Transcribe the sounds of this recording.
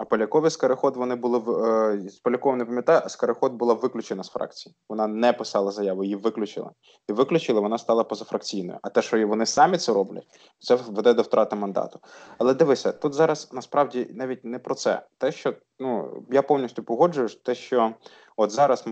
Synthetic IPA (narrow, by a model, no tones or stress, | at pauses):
ɐpɔlʲɐkɔʋʲiskɐɾɪxɔd̪ʋɔnɪbʊlˠɪʋspɔlʲɐkɔʋnɛpɐmjɐt̪ɑjʊʔɐskɐɾexɔd̪̚bʊlˠɑʋɪklʲʊt͡ʃenɐsfɾɑ̰k̚t͡sʲijiʋɔnɑnɛpɪsɑlˠɐzɐjɑʋʊjjiʋɪklʲʊt͡ʃɪ̰lˠɐ̰ | iʋɪklʲʊt͡ʃɪlˠɐʋɔnɑst̪ɑlˠɐpɔzɐfɾɐkt͡sʲijnɔ̰jʊ̰ʔɐt̪ɛʃt͡ʃɔʋɔnɪsɑmʲit̪sɛɾɔblʲɐ̰t̚ʲ | t̪sɛʋɛd̪ɛd̪ɔwt̪ɾʔɑt̪ɪmɐnd̪ɑ̰t̪ʊ̥ɐlˠɛd̪ɪʋɪsʲɐt̪ut̪zɑɾɐsnɐspɾɑwdʲinɑʋʲit̚ʲnɛpɾɔt̪sɛ̰t̪ɛʃt͡ʃɔ | nujapɔwnʲisʲtʲʊpɔɦɔd͡ʒʊjʊt̪ɛʃt͡ʃɔ | ɔt̪zɑɾɐs